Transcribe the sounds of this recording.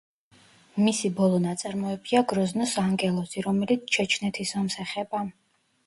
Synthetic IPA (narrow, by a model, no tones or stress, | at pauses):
misibɔlˠɔnat̪sʼaɾmɔɛbiaɡɾɔznɔsaːŋɡɛlˠɔsiɾɔmɛlit̪sʰt͡ʃʰɛt͡ʃʰnɛt̪ʰisvɔmsɛχɛba